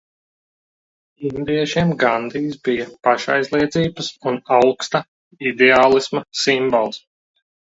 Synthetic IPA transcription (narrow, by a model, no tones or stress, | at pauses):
ind̪iɛʃiɛmɡand̪iːsbijɐpaʃa̰jzlˠiɛd̪ziːbəsunawkst̪a | id̪eaːlˠismɐsimbɔlˠs